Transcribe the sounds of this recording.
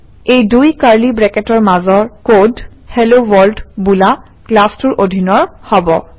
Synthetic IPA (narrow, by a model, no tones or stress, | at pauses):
ejdujkaɹlibɹɛkɛtɔɹmazɔɹkodhɛlowɔldbula | klastuɹʔodʱinɔɹhɔbɔ